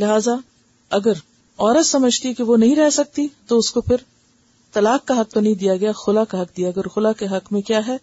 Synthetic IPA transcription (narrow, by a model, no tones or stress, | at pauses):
lɪɦaːza | ɐɡəɾ | ɔːɾət̪sɐməd͡ʒʱt̪ikeʋonɐɦĩɾɛɦsɐk̚t̪it̪oʊskopʰɪɾ | t̪ɐlaːkːaɦɐk̚t̪onɐɦĩd̪ijaɡɐjaxʊlakaɦɐk̚d̪ijaɡɐɛɔːɾxʊlakeɦɐkmẽkjaːɦɛː